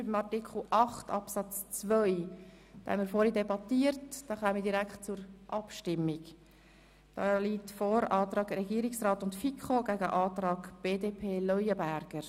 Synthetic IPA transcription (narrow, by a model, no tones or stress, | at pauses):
ybəmɑtikχl̩ʔɑχtɑpsɑt͡st͡sʋœʏ | d̥ɑ̰hɛ̰nmiːɾfɔɾidɛbɑtiəɾtd̥ɑːχœːmədiɾækχtt͡sʊɾʔɑpʃtɪmːɪk | d̥ɑliːtfoɾɑːt̪ɾɑːɡɾɛɡiːəɾɪksɾɑːtʊntfikχoɡ̥æɡəʔɑːt̪ɾɑːɡb̥eːdeːpʰeːlœʏəbæɾɡ̥əɾ